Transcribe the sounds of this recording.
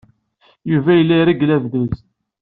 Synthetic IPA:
juvæjəlːiɾiɡlævðəz

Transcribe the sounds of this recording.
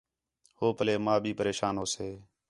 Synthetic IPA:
hoːpəleːmãːbʱiːpəɾeːʃaːnoːseː

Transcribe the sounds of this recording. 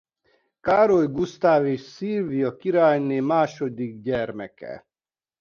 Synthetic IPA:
kaːɾojɡust̪aːveːʃsilvijɒkiɾaːjneːmaːʃod̪iɡ̚ɟɛrmɛkɛ̰

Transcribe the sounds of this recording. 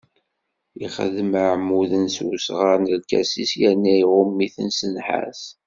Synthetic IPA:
iχə̰ðməʕmuðənsusʁəɾnəlkæ̰sisjænːæiʁʊmːiθənsənħa̰s

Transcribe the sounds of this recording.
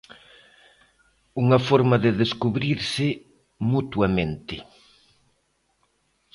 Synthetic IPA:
uŋɐfoɾmaðɪðeskuβɾiɾsɪ | mut̪wamẽnt̪ɪ

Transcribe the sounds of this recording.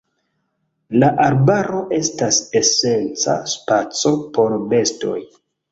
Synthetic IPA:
laʔaɾbaɾo̞ʔe̞stase̞se̞nt͡sa̰spat͡so̞po̞ɾbe̞sto̞̰j

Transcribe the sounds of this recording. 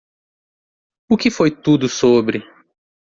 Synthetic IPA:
ʊkɪfojt̪ud̪ʊsobɾɪ

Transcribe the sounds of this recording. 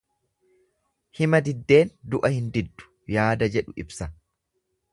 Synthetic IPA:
hɪmɐd̪ɪd̪ːe̞ːnd̪ʊʔɐhɪnd̪ɪd̪ːʊ̥ | jaːd̪ɐd͡ʒɛᶑʊɪbsɐ

